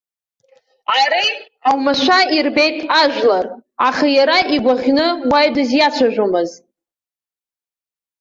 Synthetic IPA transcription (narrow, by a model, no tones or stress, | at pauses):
aɾej | awmaʃʷairbe̞jtʼaʒᶣlaraχajaɾaʔiɡʷaʁʲnɨwajdɨzjat͡ɕʷʰaʒʷᶣomɨz